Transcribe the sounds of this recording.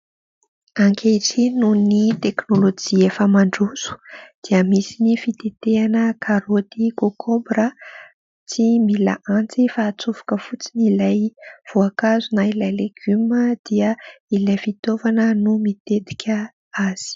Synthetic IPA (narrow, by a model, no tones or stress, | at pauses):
aŋkʲʰeʈ͡ʂinunit̪eknolod͡ʒiefəmaɳɖ͡ʐuz̥u̥d̪̥iəmisinifit̪et̪eanəkʰaɾot̪iɡokʰombɾə | t͡simila̰ʔãnt͡sifaːt͡suvḁkəfut͡sinilajv̥oakazunailajleɡ̥yməd̪̥iəilajfit̪ovanənumit̪et̪i̥kʲə | az̥i̥